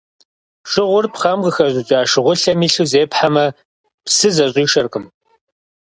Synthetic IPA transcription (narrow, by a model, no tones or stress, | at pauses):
ʃɨʁʷʊrpχɐmqəxɐʑʼɪt͡ʃʼaːʃɨʁʷʊɬɐmiːɬuːzeːpħamɐ | psɨzɐɕʼiːʃɐrqəm